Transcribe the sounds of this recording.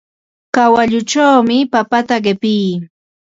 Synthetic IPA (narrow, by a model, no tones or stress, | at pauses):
kawaʎʊʈ͡ʂawmɪpapat̪aɢɪpɪj